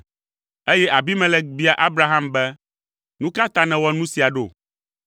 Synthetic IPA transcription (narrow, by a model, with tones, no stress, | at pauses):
e˦jɛ˦ʔa˨bi˦mɛ̃˦lɛ˦k̚bi˦a˨ʔa˦bɾa˦ɦã˦mbɛ˦ | nũ˦ka˦t̪a˦nɛ̃˨wɔ˦nũ˦si˨a˨ɖo̰˦˨